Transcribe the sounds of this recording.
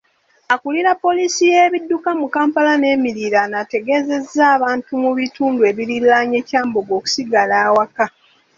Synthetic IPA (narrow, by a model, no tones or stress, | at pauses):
akuliɾapːo̞lisijeːβidːukamukaːmpalane̞ːmiɾiɾanate̞ɡe̞ze̞zːaːβaːntumuβituːndue̞ːβiɾilːaɲe̞ːcaːmboɡo̞ːku̥siɡalaːwaka